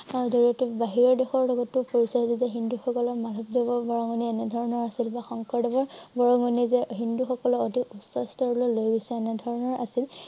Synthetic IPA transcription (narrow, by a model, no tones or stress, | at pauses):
aɹuzoɹiɔtubaɦiɹɔɹdɛxɔɹlɔɡɔtːʊpoɹisɔɹzizɛɦinduxɔkɔlɔɹmalʱɔp̚dɛbɔɹbɔɹɔŋɔniɛnɛdʱɔɹɔnɔɹasilbaxɔŋkʰɔɹdɔbɔɹbɔɹɔŋɔnizɛɦinduxɔkɔlɔodʱikusɔstɔɹɔlolojbisɛɛnɛdʱɔɹɔnɔɹʔa̰sil